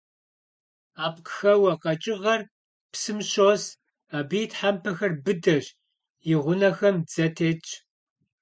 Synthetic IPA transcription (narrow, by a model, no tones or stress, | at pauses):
aːp̚ʼqxɐwɐqɐt͡ʃʼɪʁɐr | psɨmɕoːs | aːbijtʰħampʰɐxɐrbɨdɐʑ | jɪʁʷʊnɐxɐmd͡zɐtʰeːt͡ʃʼ